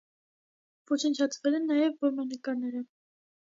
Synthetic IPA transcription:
vɔt͡ʃʰənt͡ʃʰɑt͡sʰvɛlɛnːɑjɛvbɔɾmɛnəkɑɾnɛɾə

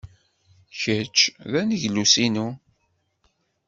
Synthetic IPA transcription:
çət͡ʃːðænəʝlusinu

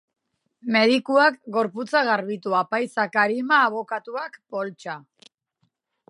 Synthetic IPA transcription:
me̞ðikuakɡo̞ɾput͡saɣaɾβit̪uapajsakaɾimaːβo̞kat̪uakpo̞lt͡ʃa

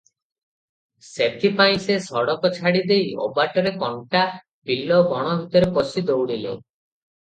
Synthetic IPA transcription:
set̪ʰipaj̃sesɔɽɔkɔt͡ʃʰaɽid̪ejo̰baʈɔɾekɔɳʈa | pilːɔbʱɔɽ̃ɔɦ̪ut̪ɔɾeposid̪owɽilo̰

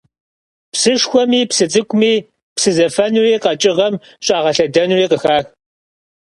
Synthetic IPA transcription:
psɨʂxʷɔmiːpsɨt͡sʼɨkʷʼʊmiː | psɨzɐfɐnuwiːqɐt͡ʃʼɪʁɐm | ɕʼaːʁɐɬɐdɐnwiːqəxaːx

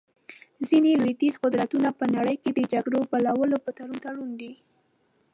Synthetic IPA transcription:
zinelit̪izqʊd̪ɾat̪unapənaɽəjked̪əd͡ʒaɡɽobalawəlopət̪aɽunt̪aɽund̪i

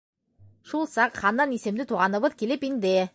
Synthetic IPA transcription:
ʃulˠsɑqχɑnːɑnese̞md̪ɪt̪ʰuʁɑnəbəðkʲʰe̞lepend̪e

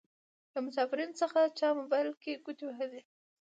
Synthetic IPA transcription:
ləmʊsɑfɪɾinsəxat͡ʃɑmʊbalkeɡut̪uɦəd̪e

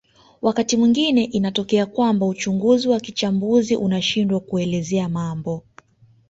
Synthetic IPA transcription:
wakatimwiŋɡinɛʔinatɔkɛakwambaut͡ʃuŋɡuziwakit͡ʃambuziʔunaʃindwakuɛlɛzɛamambɔ

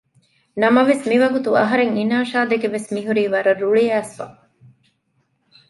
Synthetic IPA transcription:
nɐmɐʋesmiʋɐɡut̪uɐɦɐɾeŋinaːʃaːd̪eɡeʋesmiɦuɾiːʋɐɾɐɾuɭiæːsfɐ̰

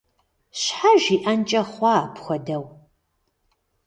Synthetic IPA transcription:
ɕħaʒiʔɐnt͡ʃʼɐχʷɑːpxʷɔdɐw

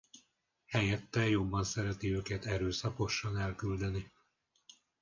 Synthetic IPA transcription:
hɛjɛt̪ːɛjobːɒnsɛɾɛt̪iøːkɛt̪ɛɾøːsɒko̞ʃɒnɛlkyld̪ɛni

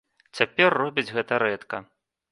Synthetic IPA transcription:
t͡sʲapʲɛrːɔbʲid͡zʲɣɛt̪ɐɾɛt̪kɐ

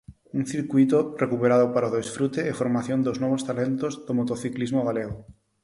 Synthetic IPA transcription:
uŋθiɾkwijt̪orekupeɾaðopaɾaoðesfɾut̪eːfoɾmaθjond̪oznɔβ̞ost̪alẽnt̪ozðomot̪oθiklizmoɣaleɣ̞o

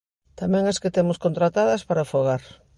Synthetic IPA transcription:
t̪amɛ̃ŋesket̪emʊskont̪ɾat̪aðɐspaɾafoɣaɾ

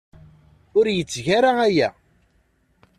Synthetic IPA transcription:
ʊɾjət͡sːʝaɾaæjæ̰

